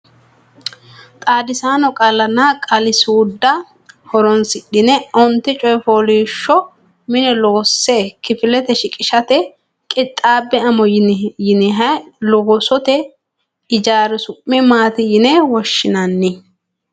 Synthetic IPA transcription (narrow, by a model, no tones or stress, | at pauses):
t̪ʼaːd̪ɪsaːnɔkʼɐlːɐnːakʼɐlɪsuːd̪ːɐ | hɔɾɔnsɪɗɪnɛɔnt̪ːɪt͡ʃʼɔjfoːliːʃːɔ | mɪnɛloːsːeːkɪfɪlɛt̪ɛʃɪkʼɪʃɐt̪ɛ | kʼɪt̪ʼːaːbːɛɐmɔjjɪnɪɦɐjlɔɡɔsɔt̪ɛ | ɪd͡ʒaːɾɛsʊʔːɪmaːt̪ɪjɪnɛwɔʃːɪnɐnːɪ